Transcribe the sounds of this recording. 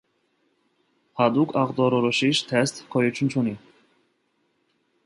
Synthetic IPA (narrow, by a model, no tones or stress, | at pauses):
had̪ukʰɑʁd̪ɔɾɔɾɔʃiʃt̪ʰɛst̪kʰɔjut͡ʃʰunt͡ʃʰuni